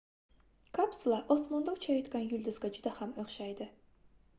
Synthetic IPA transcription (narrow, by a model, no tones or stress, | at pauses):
kʰapsulˠaʔosmand̪awt͡ʃʰajot̪kʲanjʊlʲd̪ʊzɡʲad͡ʒʊd̪ahamøχʃajd̪ɪ